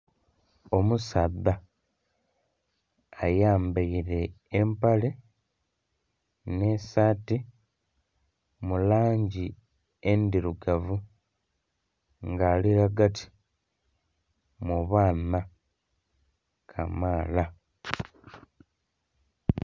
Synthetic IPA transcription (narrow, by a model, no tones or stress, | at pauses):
o̞musadːa | jaːmbajiɾe̞ː | mpale | ne̞saːti | mulaːɲɟi | endiɾuɡavu | ŋɡaːliɾaɡatʰi̥ | muβaːna | kʰa̰maːla